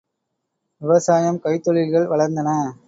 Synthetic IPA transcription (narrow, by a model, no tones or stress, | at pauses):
ʋɪʋɐsaːjɐmkɐɪt̪ːɔɭɪlɣɐɭʋɐɭɐɾnd̪ɐnɐ